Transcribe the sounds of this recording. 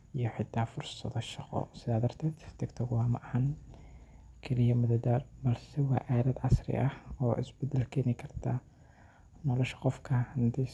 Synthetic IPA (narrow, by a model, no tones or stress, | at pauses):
ijɞħɪt̪ʰːaːfʊrsɐ̰ðɔʃɑqɔ̰sɪðaːd̪ɐrt̪ʰɛːd̪t̪ʰɪkt̪ʰɐɣʊwɑːmɑʔhan | kʰɛlɪjɐmʊðɐd̪aːrbɐlsɛwɑ̰ːʔaːðɐd̪ʕɑsrɪ̰ʔɐhɔːʔɪ̰sbɛd̪ɛlkʰɛːnɪkʰɐrt̪ʰɐ | nɔːlɔʃɐ̥qɔfkʰɐhɐnd̪ɛ